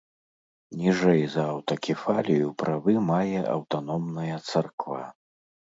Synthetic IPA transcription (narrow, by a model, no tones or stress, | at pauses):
nʲiʐɛjzɐːwt̪ɐkʲifalʲijupɾʔavɨmajɛʔɐ̰wt̪anɔmnɐjɐt̪sarkva̰